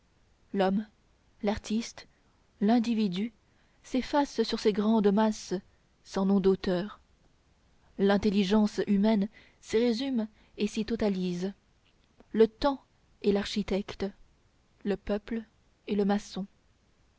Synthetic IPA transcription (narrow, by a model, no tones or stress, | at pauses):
lɔm | laʁt̪ist̪ | lɛ̃d̪ivid̪y | sefassyʁseɡʁɑ̃d̪mas | sɑ̃nɔ̃d̪ot̪œːʁ | lɛ̃t̪eliʒɑ̃symɛn | siʁezym | esit̪ɔt̪aliz | lət̪ɑ̃ | elaʁʃit̪ɛkt̪ | ləpœpl | eləmasɔ̃